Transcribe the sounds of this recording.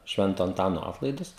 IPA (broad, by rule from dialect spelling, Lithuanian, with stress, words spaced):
ˈʃʲʋʲɛntoː ɐnˈtɑːnoː ˈɑːtlˠɐɪdʊs